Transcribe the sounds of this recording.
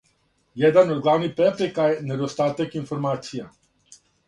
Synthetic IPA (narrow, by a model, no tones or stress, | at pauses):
jɛd̪ənɔd̪ɡlaːwnipɾɛpɾɛkajnɛd̪ɔst̪aːt̪ɛkinfɔɾmaːt̪sija